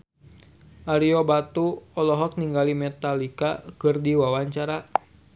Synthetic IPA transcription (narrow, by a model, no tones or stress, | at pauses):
ʔaɾiobat̪uɔlɔɦɔk̚niŋɡalimɛt̪alikakɨrdiwawaɲt͡ʃaɾa